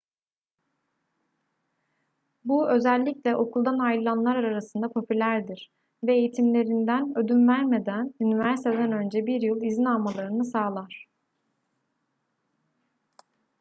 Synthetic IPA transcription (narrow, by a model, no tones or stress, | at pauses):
buø̞zælʲːiclʲɛʔo̞kʰulˠd̪anajɯlˠanlˠaɾaɾaɾasɯnd̪apʰo̞pʰylʲæɾd̪iɾ̥ | vɛːjit̪ʰimlʲe̞ɾind̪ænø̞d̪ynvæɾme̞d̪ænynivæɾsit̪ʰed̪ænø̞nd͡ʒɛbiɾjɯlˠizinalmalˠaɾɯnɯsaːlˠaɾ̝̥